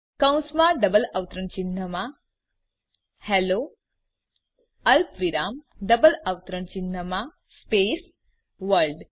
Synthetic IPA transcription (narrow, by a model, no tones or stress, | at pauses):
kə̃w̃smaɖəbələʋt̪ɾəɳt͡ɕinːəma | hɛlo | əlpʋiɾamɖəbələʋt̪ɾəɳt͡ɕinːəma | spes | ʋəɾlɖ